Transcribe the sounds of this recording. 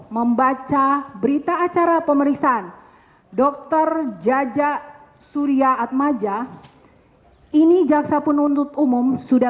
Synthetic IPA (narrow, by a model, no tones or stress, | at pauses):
məmbat͡ʃabəɾit̪aːt͡ʃaɾapəməɾiksaːn | dɔk̚t̪ərd͡ʒad͡ʒa | suɾiaːt̪̚mad͡ʒa | inid͡ʒaksapʊnunt̪ʊt̪umumsuda